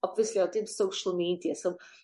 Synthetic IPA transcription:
ɔbviəsliat̪ĩ̥soʊʃəl̩ˠmid̪iɐsõʊ̃

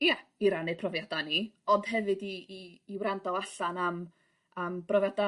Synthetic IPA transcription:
jaiɾanepʰrɔvjad̥aniɔnd̥hɛvɨdiːwrandɔwaɬanam | əmb̥rɔvjada

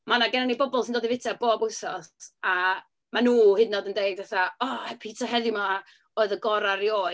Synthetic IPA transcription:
manaɡɛnanibɔbɔlˠsindoːdivɪtʰɛboːbojsɔsa | manuːhɨdnɔdəndejd̚daθaɔhɛpʰitʰɔɦɛðjʊma | oːɨðəɡɔɾaɾjoː

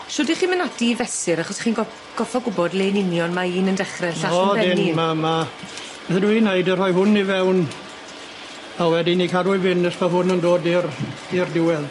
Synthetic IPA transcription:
ʃʊdiχiːmɛnadivɛsɪɾaχɔsχiːnɔ | ɡ̥ɔfɔɡʊbɔdleːnɪnjɔnmaiːnəndɛχrɛlaɔbɛɪnimama | bɛθədwiːnejdər̥hɔjɦʊnivɛwn | awɛdinikʰaɾʊɨvɪnəspʰaɦʊnəndoːdɪr | ɪrdɪwɛð

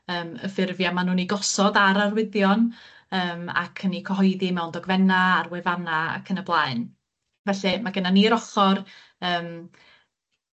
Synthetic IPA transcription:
əːmə̰fɪrvjamanuːniɡɔsɔdaɾarwɪðjɔn | əːma̰kʰənikʰɔɦɔjðɪmɛwndɔɡvɛnaːrwɛvanaa̰kʰənəblˠaɨn | vɛɬɛmaɡənaniəɾɔχɔr | əːm

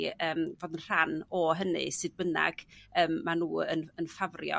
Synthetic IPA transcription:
əːmvoːdənr̥anɔɦənɨ̰sɨd̚bəna̰ɡ̥əːmːanuːə̰nənfavrjɔ̰

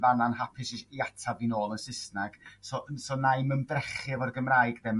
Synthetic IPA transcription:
vananɦapʰɪsiʃiatʰavinoːlˠənsɪsnaɡ̥sɔsɔnajməmdrɛχɨvɔrɡəmrajɡðɛm

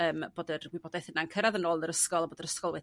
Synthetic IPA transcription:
əːmb̥oːdərwiboːdɛθənankʰəɾaðənoːlˠnəɾəskɔlˠɔboːdəɾəskɔlˠwɛ

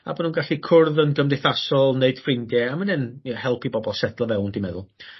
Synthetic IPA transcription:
a̰bɔnhunɡaɬikʰʊrðənɡəmdɪjθasɔlˠneɨd̥frɪndjɛamənɛnjahɛlˠpʰibɔbɔlˠsɛdlˠəvɛlˠndimɛðʊlˠ

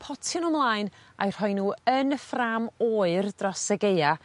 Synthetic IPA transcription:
pʰɔtʰjɔnɔmlˠaːɨna̰jr̥hɔɨnuːənəframoːɨrdrɔsɛɡeja

